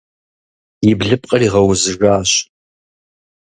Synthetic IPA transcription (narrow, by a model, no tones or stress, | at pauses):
jɪbɮɨpʼqʼɐriːʁɐwʊzɨʐaːɕ